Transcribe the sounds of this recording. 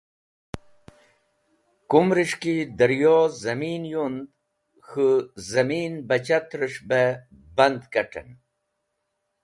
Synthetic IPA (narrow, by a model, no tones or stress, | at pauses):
kumɾiʂkid̪əɾjozɐmiːnjund̪ | xəzɐmiːnbɐt͡ɕat̪ɾiʂbebɐnd̪kɐʈḛn